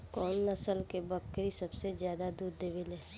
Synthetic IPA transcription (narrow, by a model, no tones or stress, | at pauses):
kɔːnːɐsəlkebəkɾisɐbsezjaːd̪ad̪uːd̪d̪eːʋɪleː